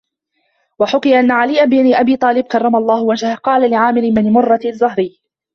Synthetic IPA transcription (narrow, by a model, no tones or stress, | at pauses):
waħʊqɨjaʔanːaʕalɪːʔabniʔabiːt̪ˤɑːlɪb̚kɑrˤːɑmalˤːɑːhʊwad͡ʒhaqɑːlalɪʕaːmɪɾɪmɪnmʊrˤːɑzˤːʊɦɾɪjː